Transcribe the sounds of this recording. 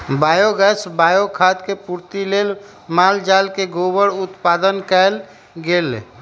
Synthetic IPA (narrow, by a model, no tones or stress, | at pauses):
bajoɡɛsbajokʰat̪kepuɾt̪ilel | mald͡ʒalkeɡobəɽut̪pad̪ənkɛl | ɡel